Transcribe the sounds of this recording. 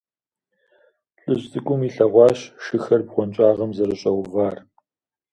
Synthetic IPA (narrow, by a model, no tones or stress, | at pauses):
ɬʼɨʑtʰʼɨkʷʼʊmiɬɐʁʷɑːɕʃɨxɐrbʁʷɔnt͡ʃʼaːʁɐmzɐɾɨɕʼɐwvaːr